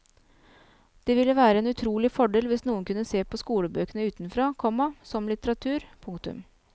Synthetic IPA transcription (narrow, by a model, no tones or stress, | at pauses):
d̪̥ɛʋɪlːəʋæːɾəɛːnʉt̪ʰɾuːlɪfɔɖɛːlʋɪsnuːənkʉnːəseːpɔskuːləbøːkənəʉːt̪nfɾoːkʰɔmːɑsɔmlɪt̪əɾɑt̪ʰʉːɾpʰʊŋk̚t̪ʉ̰m